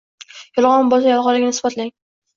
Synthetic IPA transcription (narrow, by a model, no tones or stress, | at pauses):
jɒlˠʁɒnbɒzajɒlˠʁɒlɪɡʲɪnɪsbɒt̪laŋ